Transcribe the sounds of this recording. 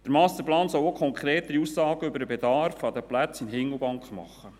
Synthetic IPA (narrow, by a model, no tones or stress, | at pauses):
d̪̥əɾmɑːst̪əplɑːnsɔlokʰχɔŋkʰɾeːt̪əɾiusːɑːɡ̥əʏbəɾəbɛd̪ɑrfɑd̪əplæt͡sɪnɦɪŋːl̩ˠbɑŋkχmɑ̰χːə